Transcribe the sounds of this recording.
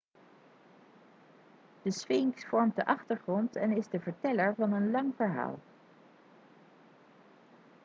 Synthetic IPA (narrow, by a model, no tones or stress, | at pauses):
d̥əsʋɪŋksfɔɹmt̚dəʔɑχtəɹχrɔntɛnɪzdəvəɹtɛləɹvɑnənlɑŋvəɹɦa̰ːlˠ